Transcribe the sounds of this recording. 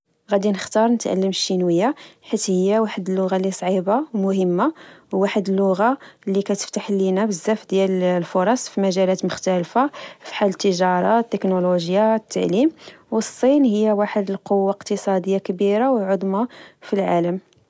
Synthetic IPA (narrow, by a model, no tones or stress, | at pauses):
ɣæd̪inəxt̪ɑɾˤnət̪ʕa̰lːəmʃinwəjːaħit̪həjːawaħəd̪əlːʊɣalːisˤʕibawmʊɦəmːawːaħəd̪əlːʊɣalːikæt̪ə̥ft̪aħlinæbəzːæfd̪jællfoɾˤɑsˤfimæʒælæt̪mʊxt̪ælfafi̥ħalət̪ːəʒɑɾˤɑt̪ːəknoloʒjat̪ːaʕlim | wəsˤːinhəjːawaħəd̪əlqowːaqt̪əsˤɑd̪əjːakəbiɾawʕod̪ˤmafilʕa̰ləm